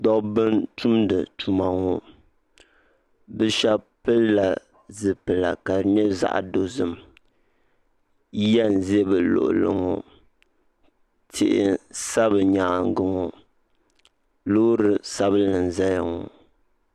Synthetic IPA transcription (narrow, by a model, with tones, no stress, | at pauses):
dɔ˦bɨ˦ntʰu˦mdɨ˨tu˨ma˨ŋo˨ | bɨ˦ʃa˦pɨ˦lla˨ | zɨ˨pɨ˨la̰˨ka˨nɛ˦za̰˦ʔa̰˨do˨zɨ˨m | jɛ˦n˨zɛ˦bɨ˨lo̰˨ʔʊ̰˨lɨ̰˨ŋo˨ | tʰɪ˨ʔɪ˨sa˦bɨ˨ɲa˨ŋ˨ɡɨ˨ŋɔ˨ | loː˦ɾɨ˦sa˦bɨ˦lɨ˨n˨za˦ja˨ŋɔ˨